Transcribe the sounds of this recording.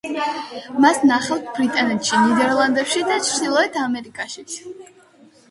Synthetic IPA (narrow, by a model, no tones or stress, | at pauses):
masnaχɛlt̪ʰbɾit̪ʼanɛt̪ʃinid̪ɛɾlˠand̪ɛpʃid̪at͡ʃʰɾd̪ilˠɔɛt̪ʰamɛɾikʼaʃit̪sʰ